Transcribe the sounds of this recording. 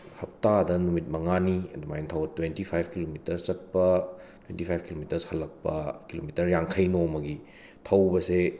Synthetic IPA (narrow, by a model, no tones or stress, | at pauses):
hɐp̚tadɐnumit̚mɐŋaniɐdumajntʰawɐtwentipʰajbʰʱkilomitɐɾt͡ʃɐt̚pɐtwentipʰajb̚kilomitɐɾshɐlːɐk̚pɐkilomitɐɾjaŋkʰɐjnomɐɡi | tʰɐwbɐse